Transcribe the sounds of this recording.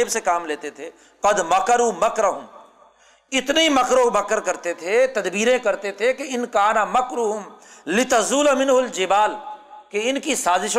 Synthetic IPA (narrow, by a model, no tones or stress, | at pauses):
bsekaːmleːt̪et̪ʰeː | qɐd̪mɐkɐɾuːmɐkɾɐɦʊm | ɪt̪neimɐkɾõmɐkəɾkɐɾt̪et̪ʰet̪ɐd̪biːɾẽkɐɾt̪et̪ʰekeɪnkaːnamɐkɾuːɦʊmlɪt̪ɐzuːlamɪ̃nɦʊld͡ʒɪbaːlkeɪnkisaːzɪʃ